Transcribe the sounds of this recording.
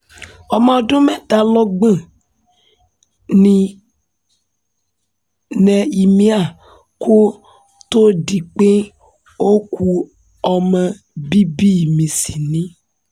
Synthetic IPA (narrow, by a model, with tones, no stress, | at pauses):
ɔ˨mã˨ɔ˨dʊ̃˦mɛ̃˦ta˨lɔ˦ɡ͡bə̃˦˨ | nĩ˨ | nɛ̃˨i˨mĩ˦a˨ | kʰo˦ | t̪o˦di˨k͡pe˦ | o˦ku˦ | ɔ˨mɛ̃˨ | bi˦bi˦˨mĩ˨si˨nĩ˦